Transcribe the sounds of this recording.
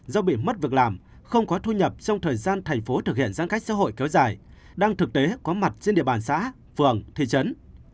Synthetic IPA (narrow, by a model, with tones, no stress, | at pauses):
zɔ˧ɓḭ˧˨mə˦˥t̚vɨ˨˩ək̚laː˨˩m | xə˧wŋ͡mkɔ˨˦t̪ʰu˧ɲə˨˩p̚t͡ɕɔ˧wŋ͡mt̪ʰəː˨˩jzaː˧nt̪ʰa˨˩jŋ̟fo˨˦t̪ɨ˨˩k̚hḭ˧˨ənzaː˧nxa˦˥k̚sa̰ː˧˥ɦo̰˧˨jkɛ˨˦wzaː˨˩j | ɗaː˧ŋt̪ɨ˨˩k̚t̪e˨˦kɔ˨˦ma˨˩t̚t͡ɕe˧nɗḭ˧˨əɓaː˨˩nsa̰ː˧˥ | fɨ˨˩əŋt̪ʰi˨˩t͡ɕə˨˦n